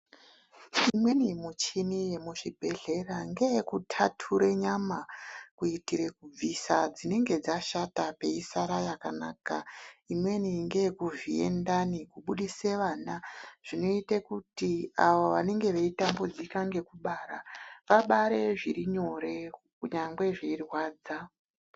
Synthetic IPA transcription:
imwe̞nimut͡ʃinije̞muʐibʱe̞ɮe̞raŋɡe̞kutʰatʰuɾe̞ɲamakuitiɾe̞kub͡visad͡zine̞ŋɡe̞d͡zaʃatape̞isaɾajakanaːkaimwe̞niŋɡekuʐiḛndanikuɓuɗiseʋaːnaʐ̥ino̞itekutiaʋoʋane̞ŋɡe̞ʋeitambo̞d͡zikaŋɡe̞kuɓaːɾaʋaɓaɾe̞ʐiɾiɲo̞ɾe̞kuɲaŋɡwe̞ʐeirwaːd͡za

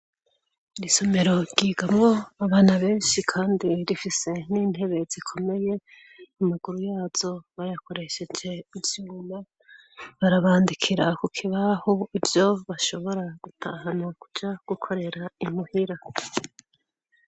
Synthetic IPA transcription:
diso̞me̞ɾo̞ɡiːɡamŋo̞aβaːnaβe̞ːnʃikʰaːndiɾifise̞niːn̥he̞βe̞z̥ikʰo̞me̞je̞ | amaɡ̥uɾujaːz̥o̞βajako̞ɾe̞ʃe̞d͡ʒe̞ivjuːma | βaɾaβaːndikʰiɾakukʰiβahoivjo̞βaʃo̞βo̞ɾaɡ̥utʰa̰ɦanakud͡ʒaɡ̥ukʰo̞ɾe̞ɾaim̥uhiɾa

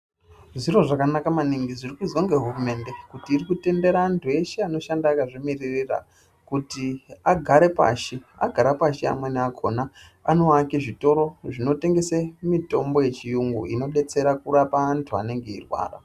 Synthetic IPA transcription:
ʐiro̞ʐakanakamaniŋɡizirikuid͡zwoŋɡe̞ɦurume̞ːnde̞kutiːrikute̞nde̞ɾantʰue̞ʃeano̞ʃandaːkaʐimiririra̰ | kutiaɡʱaɾe̞pa̰ːʃia̰ɡʱaɾapaʃia̰mweneakʰo̞na | ano̞akiʐito̞ɾo̞ʐino̞te̞ŋɡe̞semito̞mbo̞je̞t͡ʃijuŋɡṵḭno̞ɗe̞t͡se̞ɾakurapaantʰua̰ne̞ŋɡe̞ḭrwa̰ːra̰

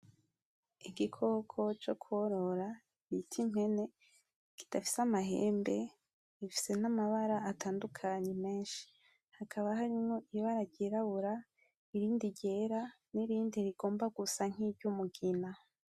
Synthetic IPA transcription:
iɡikʰo̞kʰo̞t͡ʃo̞kʰuoɾo̞ɾa | βitʰiɲ̥e̞ne̞ | ki̥d̥afi̥samaɦḛːmbe | ifi̥se̞namaβaɾaatʰaːndukʰaɲe̞me̞ːnʃi̥ | hakʰaβaɦaɾimŋo̞ʔiβaɾaɟeɾaβuɾa | iɾiːndiɟe̞ɾa | niɾiːndiɾiɡ̥o̞ːmbaɡusaŋ̥ibɟumuɡina

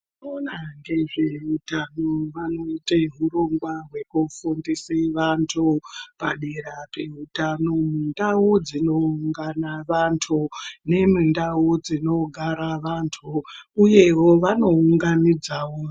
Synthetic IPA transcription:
nonaŋɡe̞ʐeutanoʋanoiteɦuroŋɡwarwe̞kufundiseʋantʰupaɗeɾapeutano̞mundaud͡zino̞uŋɡanaʋantʰune̞mundaud͡zino̞ɡʱaɾaʋantʰuːje̞wo̞ʋano̞uŋɡanid͡zawo

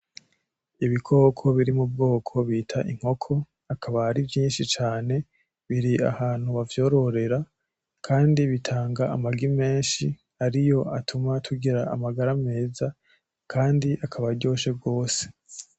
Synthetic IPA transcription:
iβikʰo̞ːkʰo̞βiɾimub̚ɡo̞ːkʰo̞βiːtʰaʔiŋ̥ho̞kʰo̞ | akʰaβahaɾivjiːnʃit͡ʃaːne̞ | βiɾia̰haːn̥huβavjo̞ːɾo̞ɾe̞ɾa | kʰaːndiβitʰaːŋɡaːmaɡime̞ːnʃi | aɾijo̞atʰumatʰuɡiɾaːmaɡaɾame̞ːza | kʰaːndiʔakʰaβaɾɟo̞ːʃe̞b̚ɡo̞ːse̞̥

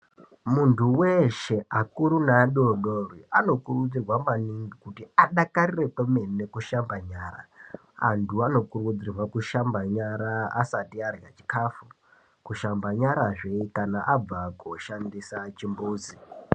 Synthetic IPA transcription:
muntʰuweʃe̞akuɾunaːɗioɗoriano̞kurud͡zirwamaniŋɡikutiaɗakarire̞kweme̞nekuʃambaɲaːɾa̰ | a̰ntuano̞kurud͡zirwakuʃambaɲaɾaa̰satiarjat͡ʃi̥kʰaːfu | kuʃambaɲaɾaʐeikanaʔab͡vakoʃandisat͡ʃimbuːd͡zi

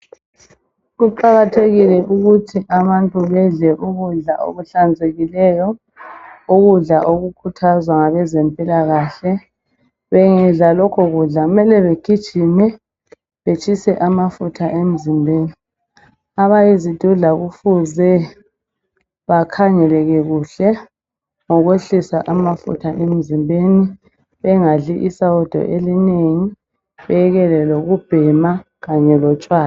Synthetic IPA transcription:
ɣuǃaɣatʰeɣilɛʔuɣutʰiʔaβantʼuβɛɮɛʔuɣuɮaʔo̰ɣuɬand͡zʱeɣilɛjɔ | uɣuɮaʔoɣukʰutʰazwaŋaβɛzɛmpʼilaɣaɬɛ | βɛŋɛɮalɔkʰɔɣuɮaɣumɛlɛβeɡ̥ʱid̥ʒ̥ʱinɛ | βet͡ʃʼʰisɛʔamafutʰaʔem̩zimbʱeːni | aβajizid̥ʱuɮaɣufuzɛ | βakʰaŋɛlɛɣɛɣuɬɛ | ŋɔɣweɬisaʔamafṵtʰaʔem̩zimbʱeni | βɛŋaɮiʔisawud̥ʱɔ̰ʔelineŋi | βɛɛɣɛlɛloɣub̥ʱɛma | ɣaɲɛlɔt͡ʃʼwaːl

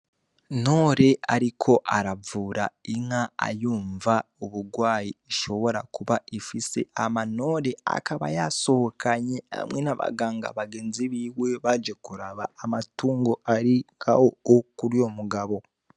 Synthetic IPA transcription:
no̞ɾe̞aɾikʰo̞ʔaɾavuːɾaiŋaa̰juːɱvaoβuɡwaːjiːʃo̞βo̞ɾa̰kuβaifise̞̰amano̞ːɾe̞a̰kaβa̰jaso̞hokʰaɲea̰mwenaβa̰ɡaːŋɡa̰βaɡe̞ːnziβiwe̞βad͡ʒekuɾaβaːmatuːŋɡoʔaɾiŋkawookuɾjo̞muɡaβo̞

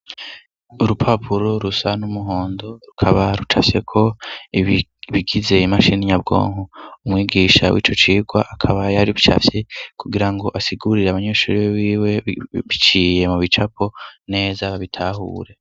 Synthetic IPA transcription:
uɾupʰapʰuɾoɾusanumuɦo̞ːndo̞ɾukʰaβaɾut͡ʃafje̞kʰo̞ | βiɡize̞imaʃiniɲabɡo̞̰ːŋhoumwiːɡiʃa̰wḭːt͡ʃo̞t͡ʃiːɡwaʔakʰaβajaɾiβit͡ʃa̰fje̞kʰuɡiɾaŋɡo̞ʔasiɡuɾiɾeaβaɲeʃuɾiβiːwe̞βit͡ʃiːje̞muβit͡ʃapʰo̞ne̞ːzaβaβitʰaɦṵːɾe̞

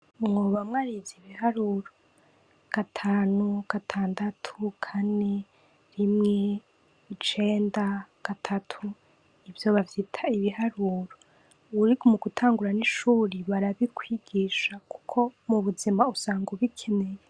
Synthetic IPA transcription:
mŋoβamŋaɾiviβihaɾuɾo | ɡ̥atʰaːnuɡ̥atʰaːndatʰukʰane | ɾimŋe̞ | it͡ʃe̞ːndaɡ̥atʰatʰu | ivjo̞βavitʰaiβihaɾuːɾo | uɾikomuɡutʰaːŋɡuɾaniʃuːɾiβaɾaβikwiɡiʃaku̥kʰo̞muβuzimausaːŋɡuβikʰe̞ne̞je

